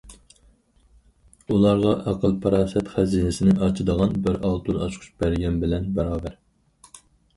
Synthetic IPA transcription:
ulˠɑɾʁɑʔæqʰəlpʰɑɾɑːsɛt̪χæzinɪsɪnɪʔɑt͡ʃʰɨd̪əʁɑnbɪɾɑlˠt̪ʰunɑt͡ʃʰqʰʊ̥ʃbæɾɡʲɛmbɪlɛnbæɾɑːbæɾ

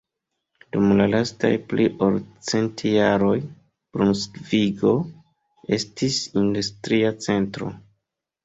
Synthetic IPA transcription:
d̥umlalasta̰jpliʔoɾt͡se̞ntjaɾo̞j | b̥ɾunsviɡo̞ | e̞̰stisindustɾiat͡se̞ntɾo̞̰

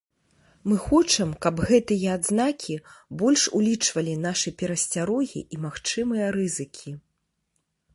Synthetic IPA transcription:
mɨxɔt͡ʂɐmkɐbɣɛt̪ɨjɛad̪znakʲibɔlʲʂulʲit͡ʂvɐlʲinaʂɨpʲɛɾɐsʲt͡sʲaɾɔɣʲḭʔimaxt͡ʂɨmɨjɐɾɨzɨkʲʰi

